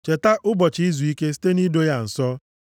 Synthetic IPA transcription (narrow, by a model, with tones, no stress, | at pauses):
t͡ʃe˨ta˦ʔʊ˦bɔ˨t͡ʃɪ˨˦i˦zu˨i˦ke˦si̥˦te˦ni˦do˦ja˦n̩˨sɔ˦